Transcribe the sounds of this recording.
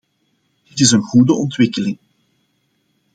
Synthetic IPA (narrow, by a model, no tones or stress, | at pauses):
d̥ɪtɪsənɣudəʔɔntwɪkəlɪŋ